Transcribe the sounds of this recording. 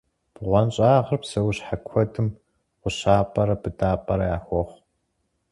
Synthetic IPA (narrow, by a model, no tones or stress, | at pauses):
b̥ʁʷɔnɕʼaːʁɐrpsɐwɕħakʷʰɔdʰɨm | qʷʊɕaːpʼɐɾɐbɨdaːpʼɐɾɐjaːxʷɔχʷ